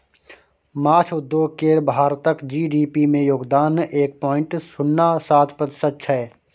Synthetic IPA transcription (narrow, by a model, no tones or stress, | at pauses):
maːt͡ʃʰʊd̪ːjoːɡ̚keɾbʱaːɾt̪əkd͡ʒiːɖiːpimẽjoːɡd̪aːneːk̚pɔːɪ̃ɳʈsʊnːasaːt̪ʰpət̪ɪ̥sətːʃʰɦɛː